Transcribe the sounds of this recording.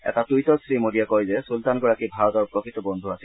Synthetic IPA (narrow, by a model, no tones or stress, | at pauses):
ɛ̰tatujtɔsɹimodijakɔjzɛsultanɡɔɹakibʱaɔdɔɹpɹɔkɹit̪ɔbɔnd̪ʱuasi